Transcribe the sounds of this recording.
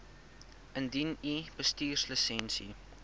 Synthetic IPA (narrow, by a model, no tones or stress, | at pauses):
ʔəndinib̥əstiːrsləsɛnsḭ